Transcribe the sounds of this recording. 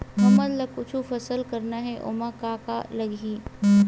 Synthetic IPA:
ɐməd̪lɐkʊt͡ʃʰufɐsəlkɐɾnaɦɛʔʊ̰makaːkalɐɡiː

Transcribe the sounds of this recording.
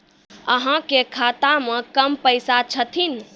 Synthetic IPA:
əɦãkekʰat̪amẽkəmpəjsat͡ʃʰət̪ʰin

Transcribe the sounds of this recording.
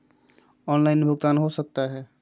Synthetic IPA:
ɔːnlaɪnbʱʊɡt̪aːnɦosək̚t̪aɦɛː

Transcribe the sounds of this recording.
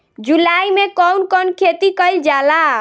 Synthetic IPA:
d͡ʒulaimekɔwnkɔnkʰet̪ikəjld͡ʒala

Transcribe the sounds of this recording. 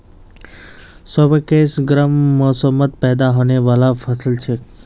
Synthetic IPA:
səbəkeːsɡɾəmːosəmːət̪̚pɛːd̪aɦoːneʋaːlafʰəsəlt͡ʃʰe

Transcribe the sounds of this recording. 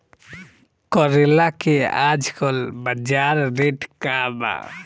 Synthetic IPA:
kɔɾelakead͡ʒkɔlbəd͡ʒaɾɾeʈkaba̰

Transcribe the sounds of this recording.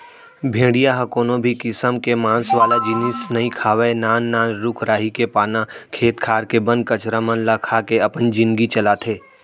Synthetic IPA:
bʱẽːɽijaɦɐkoːnõbʱikɪsəmkemãːnsʋaːlad͡ʒɪnɪsnəĩkʰaːʋenaːnːaːnɾʊkʰɾaːɦikepaːnãkʰeːt̪kʰaːɾkebə̃n̚kɐt͡ʃɾamənlakʰaːkeɐpənd͡ʒɪ̃nd̪ɡit͡ʃɐlat̪ʰeː

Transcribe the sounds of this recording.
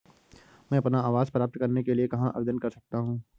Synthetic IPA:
mɛ̃ːɐpnaaːʋaːzpɾaːp̚t̪kɐɾnekeliekɐɦãʔɐ̰bed̪ənkɐɾsɐk̚t̪aɦũː

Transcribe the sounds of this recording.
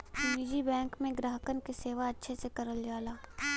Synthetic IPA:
t̪uːniːd͡ʒibɛ̃ːŋkmẽɡɾaːɦəkənkeseːʋaɐtːʃʰesekɐɾəld͡ʒaːlaː

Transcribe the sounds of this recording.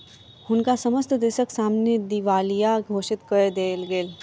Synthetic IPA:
ɦʊnkasɐməst̪ʰd̪eːʃəksaːmned̪iʋaːlijaɡʱoːʃɪt̪kəed̪eːlɡeːl

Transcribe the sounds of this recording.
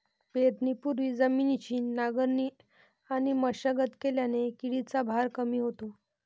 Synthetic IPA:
pet̪nipuɾʋiːd͡zəminit͡ɕiːnːaɡəɾni | añiməɕəɡət̪keljanekiɽit͡sabʱaɾkəmiːɦot̪o

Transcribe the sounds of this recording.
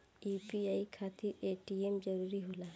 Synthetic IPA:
ipiaikʰat̪iɾeʈiemd͡ʒəɾuɾiɦola

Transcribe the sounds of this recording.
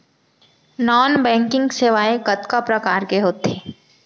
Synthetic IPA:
nɔːnbɛ̃ːŋkɪ̃ŋɡseːʋaːekɐt̪kapɾɐkaːɾkeɦoːt̪eː

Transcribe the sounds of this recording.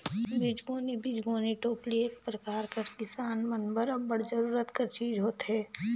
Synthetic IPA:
bɪd͡ʒɡoːnibɪd͡ʒɡoːniʈoːpliekpɾɐkaːɾkɐɾkɪsaːnmɐnbəɾɐbbɐɽd͡ʒəɾuːɾət̪kɐɾt͡ʃiːd͡ʒɦoːt̪ɦɛː

